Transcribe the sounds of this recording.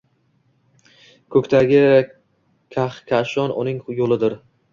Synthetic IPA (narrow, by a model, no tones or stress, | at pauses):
kʰɵkʲt̪ʰaɡʲɪ | kʲʰaχkʲʰaʃɒnʊ̰nɪŋjolɪd̪ɪɾ